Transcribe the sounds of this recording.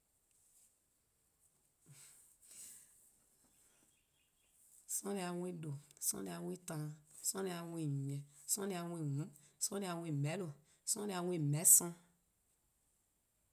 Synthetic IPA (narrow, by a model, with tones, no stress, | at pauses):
sɔ̃˦li˧a˨wĩ˦do˨sɔ̰̃˧˦li˧a˨wĩ˦tã˧˦sɔ̃˦ni˧a˨wĩ˦˨ɛ̃˨sɔ̃˦ni˧a˨wĩ˦˨ŋũ˨˦sɔ̃˦li˧a˧˨wʷĩ˨mɛ̃˨˦lo˨ | sɔ̃˦ni˧a˧wʷĩ˦˨mɛ̃˨˦sɔ̃˧˦